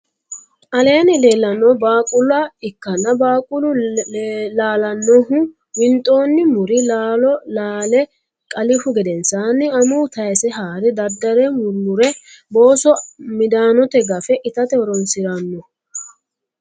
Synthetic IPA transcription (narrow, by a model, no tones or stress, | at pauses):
ʔɐle̞ːnɪleːlːɐnːɔbaːkʼʊlʊaɪkːɐnːɐbaːkʼʊlʊ | laːlɐnːɔɦʊ | wɪnt̪ʼo̞ːnːɪmʊɾɪlaːlɔlaːlɛ | kʼɐlɪfʊɡɛd̪ɛnsaːnːɪɐmʊːt̪ɐjsɛɦaːɾɛd̪ɐd̪ːɐɾɛmʊɾmʊɾɛ | bo̞ːsɔmɪd̪aːnɔt̪ɛɡɐfɛʔɪt̪ɐt̪ɛɔɾɔnsɪɾɐnːɔ